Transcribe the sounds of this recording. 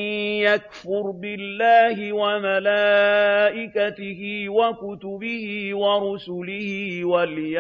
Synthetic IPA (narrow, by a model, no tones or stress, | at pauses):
jakfʊɾbɪlːaːhɪwamalaːʔɪkat̪ɪhɪːwakʊt̪ʊbɪhiːwaɾʊsʊlɪhɪːwalj